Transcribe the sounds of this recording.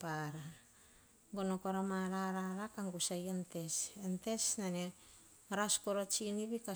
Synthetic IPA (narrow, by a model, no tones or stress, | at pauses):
paɾa | ɡonokoɾamaɾaɾaɾakaŋɡusajente̞sente̞snane | ɾaskoɾot͡ʃiniβika